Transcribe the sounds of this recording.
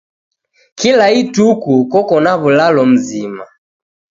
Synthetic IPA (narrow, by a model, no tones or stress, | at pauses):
kilaitukukɔkɔnaβulalɔm̩zima